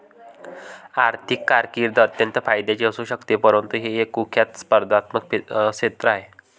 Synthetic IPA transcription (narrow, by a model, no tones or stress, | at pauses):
aɾt̪ʰikːaɾkiɾd̪ʱət̪jənt̪əfajd̪at͡ɕiəsuːɕəkt̪epəɾənt̪uɦeɦekukʰjat̪spəɾd̪ʱat̪məkpiɕet̪ɾəaɦe